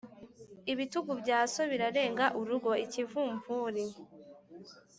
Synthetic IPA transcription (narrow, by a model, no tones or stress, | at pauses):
iβituɡubɟaːso̞βiɾaɾe̞ːŋɡaʔuɾuɡo̞icivuːɱvuːɾi